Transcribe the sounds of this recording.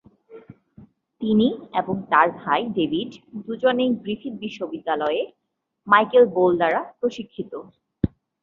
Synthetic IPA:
t̪inieboŋt̪aɾbʱajɖebʱiɖd̪ud͡ʑonejbɾit̪ʰiɾbiʃːobid̪ːalɔe | majkelboldaɾapɾoʃikʰːit̪o

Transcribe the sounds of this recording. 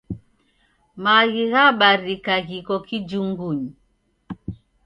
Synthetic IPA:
maɣiɣaɓaɾikaɣikɔkid͡ʒuŋɡuɲi

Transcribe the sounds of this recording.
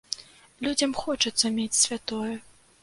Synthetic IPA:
lʲud͡zʲɐmxɔt͡ʂɐt̪sːɐmʲet͡sʲsʲvʲat̪ɔjɛ

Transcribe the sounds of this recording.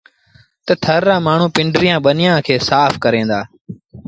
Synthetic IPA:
t̪ət̪ʰəɾːãːmaːɳ̤ũːpɪɳɖɾɪjãːɓənɪjãːkʰeːsaːfʰkəɾẽːnd̪aː

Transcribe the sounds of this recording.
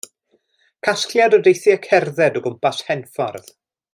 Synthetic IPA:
kʰasklˠjadɔdejθɪəkʰɛrðɛdɔɡʊmpashɛnfɔ̰rð̥

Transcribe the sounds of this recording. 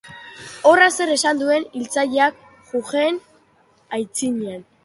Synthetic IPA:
o̞rase̞ɾe̞sand̪ue̞nilt͡saʎeak̚ | ʝuɣen | ajt͡siɲean

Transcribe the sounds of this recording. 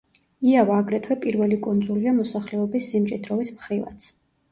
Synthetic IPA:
iavaːɡɾɛt̪ʰwɛpʼiɾvɛlikʼund̪zuliamɔsaχlɛɔbisːimt͡ʃʼid̪ɾɔvismχɾiva̰t̪sʰ

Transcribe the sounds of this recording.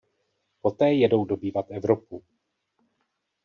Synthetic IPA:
po̞t̪ɛːjɛdo̞wdo̞biːvat̪ɛvɾopu

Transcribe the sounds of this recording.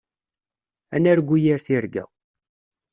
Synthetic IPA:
ænæɾɡʷːujiɾθiɾɡæ̰

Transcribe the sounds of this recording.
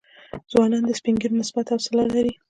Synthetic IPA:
zwɑnɑnd̪əspiŋɡiɾnɪsbat̪awsɪlɑlaɾi

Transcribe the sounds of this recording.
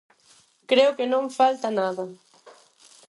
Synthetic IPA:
kɾewkenõŋfalt̪ɐnaðɐ

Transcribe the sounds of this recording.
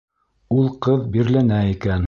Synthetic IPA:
ulˠqɤðbiɾlænæikæn

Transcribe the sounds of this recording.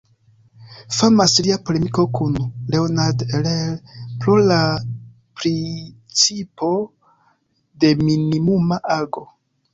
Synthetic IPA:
famasliapole̞miko̞kunle̞onadelelpɾo̞la | pɾi | t͡sipo̞ | de̞minimumaʔaɡo̞

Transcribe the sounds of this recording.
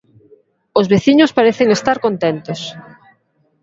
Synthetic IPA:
ʊzβeθiɲʊspaɾeθeŋest̪aɾkont̪ent̪os

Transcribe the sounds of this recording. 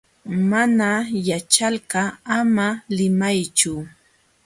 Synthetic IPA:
manajat͡ʃalɢɑamalɪmajt͡ʃʊ

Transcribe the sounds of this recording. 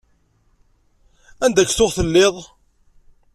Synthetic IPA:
ænd̪æçːθʊʁθəlːɪðˤ

